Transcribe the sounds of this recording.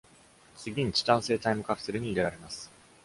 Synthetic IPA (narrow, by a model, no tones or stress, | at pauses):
t͡sɨɡʲĩɲt͡ɕi̥t̪ãse̞ːt̪aimɯ̟kapʰɯ̟̥seɾɯ̟ɲ̟iːɾe̞ɾaɾe̞masɨ̥